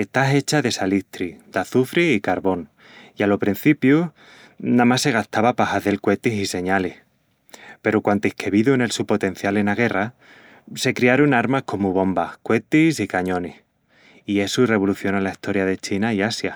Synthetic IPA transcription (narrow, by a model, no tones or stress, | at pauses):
e̞st̪aɦe̞t͡ʃaðe̞saliht̪ɾid̪̥aθufɾiːkaɾβo̞n | ialo̞pɾin̟θipju | namasːe̞ɣ̞aht̪aβapahaðe̞lkwe̞t̪isise̞ɲaleh | pe̞ɾokwant̪ehkeβiðuene̞lsupo̞t̪e̞n̟θjale̞naɣ̞e̞ra | se̞kɾiaɾonaɾmahko̞muβõ̞mbahkwe̞t̪isikaɲõ̞neh | ie̞sure̞β̞o̞luθjo̞nalaiht̪o̞ɾjaðe̞t͡ʃinaiasja